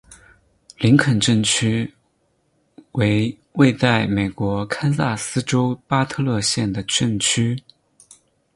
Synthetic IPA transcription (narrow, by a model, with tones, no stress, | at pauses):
li˧˥ŋkʰə˨˩nʈ͡ʂə˥˩nt͡ɕʰy˥ | we˧˥ɪ | we˥˧ɪt̪a˥˩ɪme˨˩ɪkwɔ˧˥kʰa˥nsa˥˩sɹ̩˥ʈ͡ʂo˥ʊpa˥t̪ʰɤ˥˧lɤ˥˧ɕjɛ˥˩nd̪ə˩ʈ͡ʂə˥˩ŋt͡ɕʰy˥